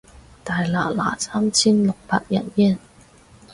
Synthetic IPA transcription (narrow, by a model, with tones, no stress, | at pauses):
t̪aː˨jla̰ː˨˩la̰ː˨˩saː˥mt͡sʰiː˥nlʊ˨k̚paː˧k̚jɐ̰˨˩njɛ˥˩˨n